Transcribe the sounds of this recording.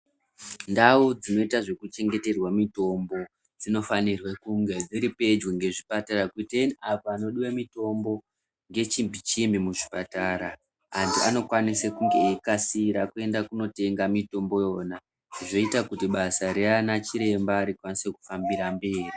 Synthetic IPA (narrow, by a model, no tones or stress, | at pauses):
ndaud͡zino̞itaʐe̞kut͡ʃe̞ŋɡe̞te̞rwamito̞mbo̞ | d͡zino̞fanirwekuŋɡe̞d͡ziɾipe̞d͡ʒweŋɡe̞ʐipataɾakiteniapoano̞ɗiwamito̞mbo̞ | ŋɡe̞t͡ʃimbʱit͡ʃimbimuʐipataːɾaː | ndiano̞kwanisekuŋɡe̞ekasiɾakue̞ndakuno̞te̞ŋɡamito̞mbo̞jo̞ːna | ʐiʐo̞itakutiɓasaɾeanat͡ʃiɾe̞mbaːɾikwanise̞ku̥fambiɾambe̞ːri